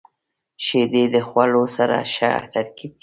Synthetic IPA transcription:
ʃed̪ed̪əxwalosaɾa̰ʃa̰t̪aɾkib̚

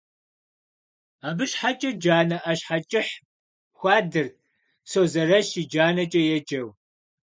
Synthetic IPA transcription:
aːbɨɕħat͡ʃʼɐd͡ʒaːnɐʔɐɕħat͡ʃʼɪħ | xʷɑːdɨr | soːzɐrɐʃiːd͡ʒaːnɐt͡ʃʼɐjɛd͡ʒɐw

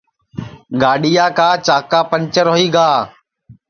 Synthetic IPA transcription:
ɡaːɗijaːkaːt͡ʃaːkaːpənt͡ʃəɾoːɦiːɡaː

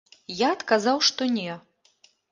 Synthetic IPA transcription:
jaɐt̪kazawʂt̪ɔnʲɛ

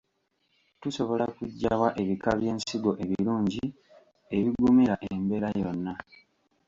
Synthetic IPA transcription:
tuso̞βo̞lakuɟːaβwaʔe̞βikaβje̞ːnsiɡo̞ʔe̞βiɾuːɲɟi | e̞βiɡumiɾaʔembe̞ɾajo̞nːa

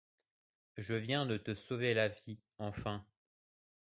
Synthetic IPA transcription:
ʒəvjɛ̃d̪ət̪əsovelavi | ɑ̃fɛ̃

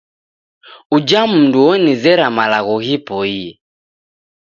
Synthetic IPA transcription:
ud͡ʒam̩nduɔnizɛɾamalaɣɔɣipɔiɛ

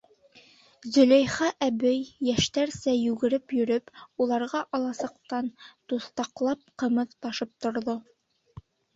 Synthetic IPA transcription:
zɵ̆læjχɑʔæbɘjːæʃt̪æɾsæjʉɡɘ̆ɾɘpjɵ̆ɾɵpulˠɑɾʁɑʔɑlˠɑsɤ̆q̚t̪ɑnt̪uθt̪ɑqlˠɑp̚qɤ̆mɤðt̪ɑʃɤp̚t̪ŏɾðo

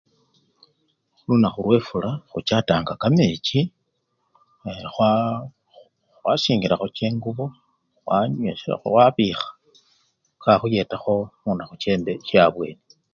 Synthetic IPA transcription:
xulunaxulwe̞fulaxut͡ʃataːŋɡakamet͡ʃi | xwa | wasiːŋɡiɾaxot͡ʃeːŋɡuβo | xwaɲḛowaβiːxḁ | kaxuje̞taxo̞muːnaxut͡ʃe̞ːmbe̞ʃaβwe̞̰ːni

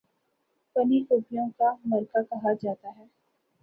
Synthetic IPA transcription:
pɐniʔʊːpijõkamɐɾkakɐɦad͡ʒaːt̪aɦɛː

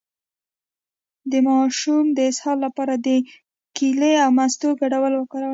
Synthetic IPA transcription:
d̪əmɑʃumd̪əɪshɑlːapɑɾad̪ə | kileawmast̪oɡaɽawəlwəkɑɾaw

